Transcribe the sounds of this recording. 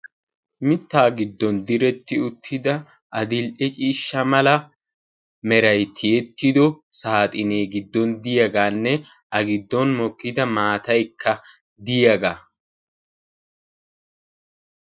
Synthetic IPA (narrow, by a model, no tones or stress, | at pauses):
mɪt̪ːaːɡɪd̪ːɔnd̪ɪɾɛt̪ːɪʊt̪ʰːɪd̪ɐ | ʔɐd̪ɪlʔɛt͡ʃʼiːʃːɐmɐlɐ | mɛɾɐjt̪ʰɪjɛt̪ːɪd̪ɔsaːt̪ʼɪneːɡɪd̪ːɔnd̪ɪjɐɡaːnːɛ | ʔɐɡɪd̪ːɔnmɔkːɪd̪ɐmaːt̪ɐjkʰːɐ | d̪ɪjɐɡaː